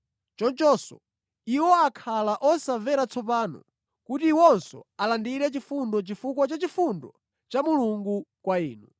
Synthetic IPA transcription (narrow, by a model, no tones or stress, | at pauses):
t͡ʃɔnt͡ʃɔsɔ̰ | iwɔakʰalaʔɔsavɛɾat͡sʰɔp̬aːnɔ̰ | kutiwɔnsɔ̰alandiɾɛt͡ʃifundɔt͡ʃifukwɔt͡ʃat͡ʃifundɔ | t͡ʃamuluŋɡukwaiːnu